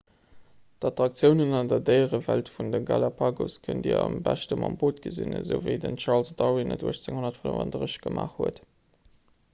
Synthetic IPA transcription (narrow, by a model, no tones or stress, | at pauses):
dɑtʁɑk̚t͡sjəʊnənɑndɐdɜɪəʁəvæltfundəɡalapʰaːɡoskʰəndiəɑmbæʃtəmɑmboːtɡ̥əzinəzəʊvə̰ɪdənt͡ʃɑʁlsdɑwinəduəʃt͡seŋhonɐtfənəvɑndʁəɕɡ̥əmʔaːχhuət